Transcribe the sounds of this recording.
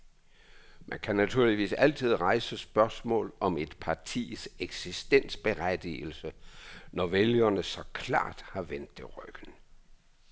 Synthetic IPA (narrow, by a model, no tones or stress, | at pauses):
mʔænkʰænæt͡sʰuɐ̰liʋḭːsæl̰t͡sʰið̞̰ˠʁɑ̈ɪsəsb̥ɶɐsmɔ̰̽ːlɒ̽me̝d̥pʰɑ̈t͡sʰḭːseɡ̥sisd̥en̰sb̥e̝ʁæd̥ḭːl̩sənɒʋeljɐnəsɒ̽kʰlɑ̰̈ːd̥hɑ̈ʋen̰d̥ːe̝ʁœɡ̥ən̩